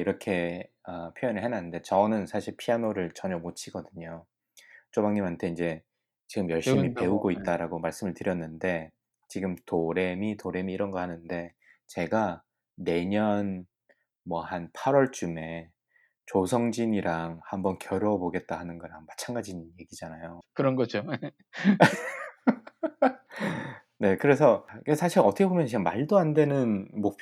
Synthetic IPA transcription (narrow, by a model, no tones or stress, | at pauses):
iɾʌkʰe̞ʌpʰjojʌnɯɭɦenanɯnde̞t͡ɕʌnɯnsʰaɕʰiɭpʰianoɾɯɭt͡ɕʌɲʌmot͡ɕʰiɡʌdɯɲo | t͡ɕ͈omaŋɲimɦantʰe̞ind͡ʑe̞ | t͡ɕiɡɯmjʌɭɕ͈imipe̞uɡoit̚t͈aɾaɡomaɭs͈ɯmɯɭtɯɾjʌnːɯnde̞ | t͡ɕiɡɯmtoɾe̞mitoɾe̞miːɾʌnɡʌhanɯnde̞ | t͡ɕe̞ɡa | ne̞ɲʌn | mwʌhanpʰaɾwʌɭt͡ɕ͈ume̞ | t͡ɕosʰʌŋd͡ʑiɲiɾaŋhambʌnkjʌɾjʌboɡe̞t̚t͈ahanɯnɡʌɾaŋmat͡ɕʰanɡad͡ʑinje̞ɡid͡ʑanajokɯɾʌnɡʌd͡ʑo | ne̞kɯɾe̞s̬ʰʌkesʰaɕʰiɾʌtʰʌkʰebomjʌnt͡ɕiɡamaɭdoandwe̞nɯnmok̚pʰ